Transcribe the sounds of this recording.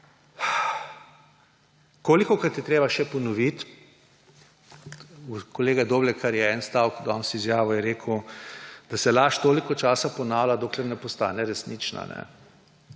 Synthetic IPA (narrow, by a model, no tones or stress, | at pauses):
koːlikɔkaɾt̪jɛt̪ɾeːbaʃɛpɔnɔʋit̪ | ukoleːɡad̪oːblɛkʰaɾjɛɛːnst̪aːwkd̪ɔnsizjaːʋɔjɛɾeːkʰwd̪̥asɛlaʃt̪oːlikɔt͡ʃaːsapɔnaːwlad̪oːklɛɾnɛpɔst̪a̰ːnɛɾɛsnit͡ʃna̰nɛ̰